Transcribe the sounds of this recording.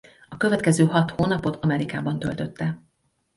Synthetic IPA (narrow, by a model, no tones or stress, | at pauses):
ɒkø̞vɛt̪kɛzøːɦɒt̪hoːnɒpo̞t̪ʰɒmɛɾikaːbɒnt̪ø̞lt̪ø̞t̪ːɛ